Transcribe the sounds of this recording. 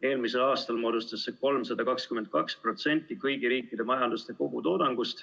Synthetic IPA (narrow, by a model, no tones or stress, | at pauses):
e̞ːlmise̞lɑːst̪ɑlmo̞ːd̪ust̪ɑsːeko̞lmsɑd̪̥ɑkɑkskyment̪̚kɑkspro̞t̪se̞nʲt̪ːˑikɤjɡ̥iɾiːkˑːid̪e̞mɑjɑnd̪ust̪e̞ko̞ɡ̥ut̪o̞ːd̪ɑŋɡ̥ust̪